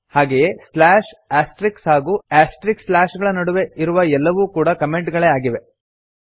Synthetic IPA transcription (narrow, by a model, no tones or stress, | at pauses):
haːɡejeslaːʃaːsʈɾikshaːɡuːaːsʈɾikslaːʃɡɐɭɐnɐɽuʋe̞iɾuʋɐɛlːɐʋuːkuːɽɐkɐme̞ɳʈɡɐɭeːaːɡiʋe̞